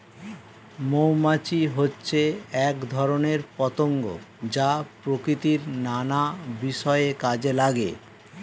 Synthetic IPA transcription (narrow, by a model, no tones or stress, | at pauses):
mowmat͡ɕiɦotːɕʰeɛkd̪ʱɔɾoneɾpɔt̪oŋɡo̰d͡ʑapɾokɾit̪iɾnanabiʃɔeekad͡ʑelaɡḛ